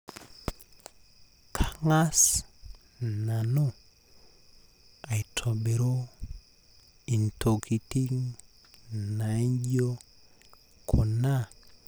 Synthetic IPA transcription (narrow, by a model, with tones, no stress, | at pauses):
kʰa˨ŋa˦s | na˨no˦ | a˨i˨tʰo˨be˨ɾo˦ | i˨ntʰo˨ki˨ti˦ŋ | na˨i˦ɲɟo˦ | kʰo˨na˦